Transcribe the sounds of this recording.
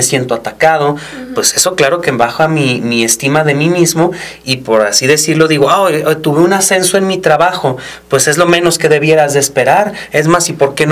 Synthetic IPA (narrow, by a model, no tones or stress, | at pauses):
esje̞nt̪oat̪akað̞o̞ | pwe̞se̞so̞klaɾo̞kembaxamimie̞st̪imaðe̞mimizmo̞ | ipo̞ɾasiðe̞siɾlo̞ðiɣo̞ajt̪uβeunase̞nsoe̞nmit̪ɾaβaxo̞pwe̞se̞zlo̞mẽ̞no̞ske̞ðe̞βje̞ɾazðeːspe̞ɾaɾ | e̞zmasipo̞ɾke̞n